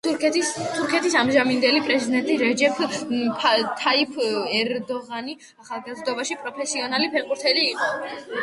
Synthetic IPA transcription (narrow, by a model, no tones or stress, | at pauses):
t̪ʰuɾkʰɛt̪ʰisamʒamind̪ɛlipʼɾɛzid̪ɛnt̪ʼiɾɛd͡ʒɛpʰ | t̪ʰaipʰɛɾd̪ɔʁani | aχalˠɡazd̪ɔbaʃipʼɾɔpʰɛsiɔnalipʰɛqʼuɾt̪ʰɛliːqʼɔ